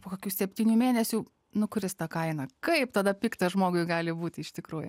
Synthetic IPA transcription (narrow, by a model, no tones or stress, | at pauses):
poːkoːkʲuːsʲɛpʲt̪ʲiːnʲuːmʲeːnʲɛsʲu | nʊkʊɾʲɪst̪ɑkɐɪnɐkɐɪpt̪ɐd̪ɐpʲiːkt̪ɐʒmoːɡʊɪɡɑːlʲɪbuːt̪ʲɪɪʃt̪ʲɪkɾuːjʊ̰